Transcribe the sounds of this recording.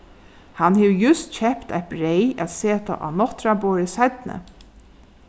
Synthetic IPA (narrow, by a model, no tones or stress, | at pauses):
hanheʋjʊst̪çɛpt̪a̰t̪̚bɾejæ̰t̪seːt̪a̰ʔa̰nɔht̪ɾaboːɹəsat̪nə̰